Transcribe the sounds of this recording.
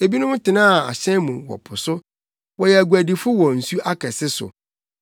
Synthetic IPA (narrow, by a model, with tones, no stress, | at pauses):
e˨bi˦nʊ̃˦m˦tʰɪ˨nã˦˨a̰˨ɕɛ̃˦mũ˨wɔ̰˨pʰʊ˨sʊ˦ | wɔ˨jɛ˨æ˨ɡu˨æ˨di˨fʊ˦wɔ˨n̩˨su˦ʔa˦kʰɛ˨sɪ˦sʊ̰˨